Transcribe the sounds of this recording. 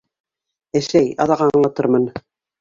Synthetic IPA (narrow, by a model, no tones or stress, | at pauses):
æ̆ʃæjɑ̰ðɑʁɑɴlˠɑt̪ɤɾmɤn